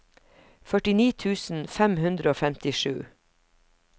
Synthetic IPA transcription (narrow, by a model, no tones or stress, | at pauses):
fœʈɪniːt̪ʰʉːsn̩fɛmhʉnd̪ɾəoːfɛmt̪ɪʃʉ̰ː